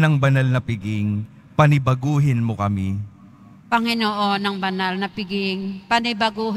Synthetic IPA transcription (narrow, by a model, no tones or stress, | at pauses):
nɐŋbɐnɐlnɐpɪɡɪŋ | pɐnɪbɐɡuːɦɪnmokɐmi | pɐŋɪnoʔonːɐŋbɐnalnɐpɪɡɪŋpɐnɪbɐɡuːɦ